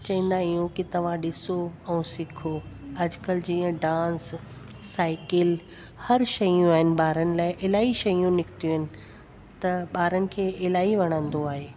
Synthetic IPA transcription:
t͡ɕɐɦĩːn̆d̪aijũkit̪ɐʋ̤ãɗɪsoɛ̃ːsɪkʰoɐd͡ʑkəld͡ʑiːə̃ɖãːsː | aːɪkɪl | hɐɾʃɐjũaːɦɪnɪ̆ɓaːɾənɪ̆laːɪʔɪlaːiʃɐjũnɪkʰt̪ijuɦɪnɪ̆ | t̪ɐɓaːɾənɪ̆kʰeːɪlaːiʋɐɽ̃ə̃nd̪oaːɦeː

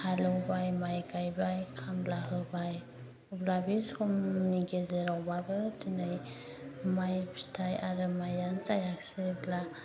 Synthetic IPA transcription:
halɯwbajmajkʰajbajkʰamlaɦɯbaj | ɔblabisɔmniɡezeɾawbabɯtʰinaj | majpstʰajaɾɯmajant͡ʃajak̚sebla

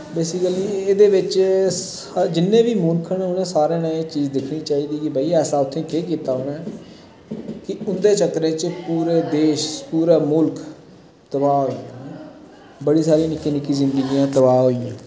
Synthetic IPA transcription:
beːsɪkəliːeːd̪eːʋɪt͡ʃs | d͡ʒɪnːẽːʋiːmʊlkʰənːʊnẽːsaːɾẽːnaːẽːt͡ʃiːd͡ʒd̪ɪkʰniːt͡ʃaːɦiːd̪iːkɪbəːiːɛːsaːʊt̪ʰːẽːkeːk̬iːt̪aːɦonɛ̃ː | kɪʊnd̪eːt͡ʃəkːɾẽːt͡ʃpuːɾeːd̪eːʃpuːɾaːmʊlk | t̪əbaːɦoːijãː | bəɽiːsaːɾiːnɪkːiːnɪkːiːzɪ̃nd̪əɡijãːt̪əbaːɦoːijãː

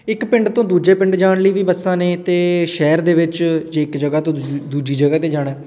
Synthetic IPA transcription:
ɪkpɪɳɖt̪õːd̪uːd͡ʒeːpɪ̃ɳɖd͡ʒaːɳləiːʋiːbəsːãːneːt̪eːʃɛːɾd̪eːʋɪt͡ʃd͡ʒeːɪkd͡ʒəɡaːt̪õːd̪uːd͡ʒiːd͡ʒəɡaːt̪eːd͡ʒaːɽ̃ɛː

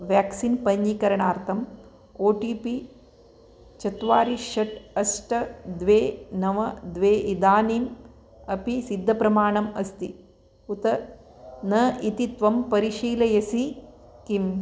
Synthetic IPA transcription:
ʋjaːksinpɐɲjikɐɾɐɳaːɾt̪ʰɐm | oːʈiːpi | t͡ʃɐt̪ʋaːɾiʃɐʈɐsʈɐd̪ʋeːnɐʋɐd̪ʋeːʔid̪aːniːm | ɐpisid̪ʱːɐpɾɐmaːɳɐmɐst̪i | ut̪ɐ | nɐʔit̪it̪ʋɐmpɐɾiʃiːlɐjɐsikim

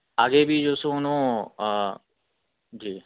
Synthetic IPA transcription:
aːɡebʱiːd͡ʒoːsõʊnõː | d͡ʒiː

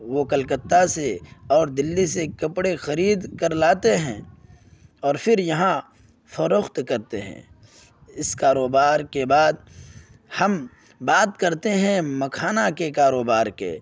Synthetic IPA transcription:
ʋokɐlkət̪ːaseɔːɾd̪ɪlːisekɐpɽexɐɾiːd̪kɐɾlaːt̪eɦɛ̃ː | ɔːɾfʰɪɾjɐɦã | fɐɾoxt̪kɐɾt̪ḛɦɛ̰̃ː | ɪskaːɾoːbaːɾkebaːd̪̚ | hɐm | baːt̪kɐɾt̪eɦɛ̃mɐkʰaːnakekaːɾoːbaːɾkḛː

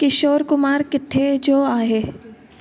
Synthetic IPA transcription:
kɪʃoːɾkʊmaːɾkɪt̪ʰːed͡ʒoːaːɦeː

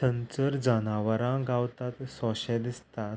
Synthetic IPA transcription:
ənt͡səɾd͡zanaʋəɾãɡawt̪at̪sɔ̃ɕɛd̪ist̪a

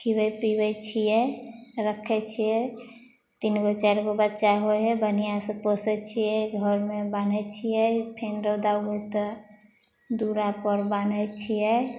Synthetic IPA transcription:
kʰibəpibɛt͡ʃʰijɛɾəkʰɛt͡ʃʰiɛ | t̪inɡət͡ʃɛɾkobətːt͡ʃaɦoɦɛbənijasə̃posɛt͡ʃʰiɛɡʱɔɾmẽbanɛt͡ʃʰijɛpʰenɾəwd̪aɦojt̪ɔ | d̪uɾapəɾbanɛt͡ʃʰiɛ

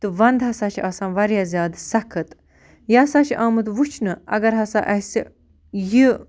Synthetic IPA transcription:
t̪ɨʋɐnd̪ɦɐsaːt͡ʃʰaːsãːnʋɐɾjaːzʲjaːd̪sɐkʰɨt̪ | jaːsaːt͡ʃʰiʔaːmɨt̪ʋut͡ʃʰnɨɐ̰ɡɐɾɦɐsa̰ːʔɐsi | ji

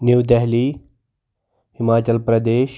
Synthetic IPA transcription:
nuwd̪ɛɦliː | hɪmaːt͡ɕəlpɾɐd̪eːʃ

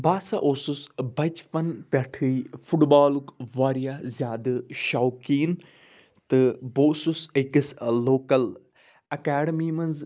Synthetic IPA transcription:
baːsaʔoːsusbɐt͡ʃpɐnpɐʈʰɨfʰuʈbaːlukʋaːɾijaːzʲjaːd̪ɨʃaːwkiːn | t̪ɨboːsusekɨsloːkɐl | ɐkaːɖɐmiːmɐnz

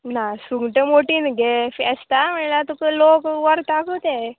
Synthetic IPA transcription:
nasuŋɡʈemoʈinɡefest̪ameɳlat̪ukəlokʋəɾ̚t̪akut̪e

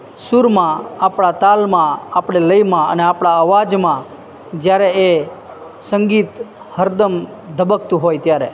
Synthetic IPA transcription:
suɾmãapɽat̪almãapɽ̃eləimãə̰neapɽ̃aəʋad͡ʒmã | d͡ʒjaɾee | səŋɡit̪ | həɾd̪əm | d̪ʱəbək̚t̪ũɦojt̪jaɾe

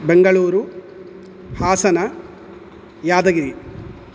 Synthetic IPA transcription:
beŋɡɐɭuːɾu | haːsɐnɐ | jaːd̪ɐɡiɾi

